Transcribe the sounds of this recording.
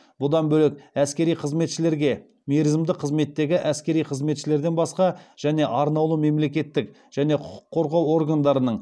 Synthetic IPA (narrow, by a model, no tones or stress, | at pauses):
bʊd̪ɑnbɵlɪk̚æskʲe̞ɾijqʰəzme̞t̪ʃɪle̞ɾɡʲe̞ | meɾɪzɪmd̪ɪqʰəzme̞t̪ːe̞ɡʲɪʔæskʲe̞ɾijqʰəzme̞t̪ʃɪle̞ɾd̪e̞nbɑsqɑʒ̥æne̞ʔɑɾnɑwlˠume̞mle̞kʲe̞t̪ːɪk | ʒ̥æne̞qʰʊqʊ̥qʰːo̞ɾʁɑwo̞rɡand̪ɑɾənəɴ